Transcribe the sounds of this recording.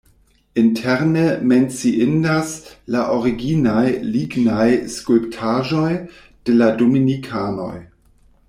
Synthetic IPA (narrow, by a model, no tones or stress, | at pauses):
intʰeɾnement͡siindaslaʔoɾiɡinajliɡnajskulptʰaʒo̞j | d̥eladominikʰano̞̰j